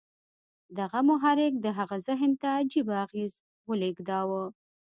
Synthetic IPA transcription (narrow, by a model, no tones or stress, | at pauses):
d̪aɣamʊɦɑɾɪk̚d̪əɦaɣazɪɦnt̪ad͡ʒibaɣez | wəlekd̪ɑwə